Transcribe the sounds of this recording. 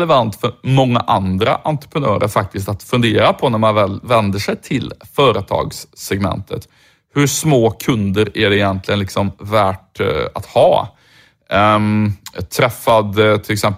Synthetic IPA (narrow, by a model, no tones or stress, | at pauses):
lɛvant̪fœɾmɔŋːa̰ʔand̪ɾa̰ʔant̪ɾə̥pʰɾənœ̰ːɾə̰ɾfak̚t̪ɪst̪at̪fɵnd̪eːɾapʰɔnæɾmanvɛlvɛnd̪əʂɛjt̪ʰɪlfœːɾət̪ʰɑ̰ːɡsːɛɡmɛ̰nt̪ʰə̰t̪ | hɵʂmoːkʰɵnd̪əɾæɖɛɪjɛnt̪ʰlɪɡənlɪksɔmvæːʈa̰t̪hɑ̰ː | t̪ʰɾɛfːad̪t̪ʰɪlɛksɛm